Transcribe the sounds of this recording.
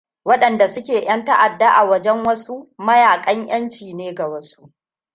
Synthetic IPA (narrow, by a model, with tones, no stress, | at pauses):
wɐ˦ɗɐ˨nda˨sʊ˦kʲeː˨j̰ɐ˦nta˦ʔa˨dːa˦ʔa˨wɐ˦d͡ʒɛ˦ŋwɐ˦su˦mɐ˦jaː˨kʼɐ˦ŋj̰ɐ˦nt͡ʃiː˨neː˦ɡa˨wɐ˦su˦ʔ